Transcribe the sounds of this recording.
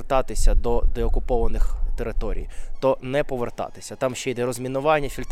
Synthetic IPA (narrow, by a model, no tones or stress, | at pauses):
rt̪ɑt̪ɪsʲɐd̪ɔd̪ɛɔkʊpɔʋɐnɪxt̪eɾɪt̪ɔɾʲḭjt̪ɔnɛpɔʋert̪ɑ̰t̪ɪ̥sʲɐt̪ɑmʃt͡ʃɛjd̪ɛɾɔzʲmʲinʊʋɑnʲːɐfʲilʲt̪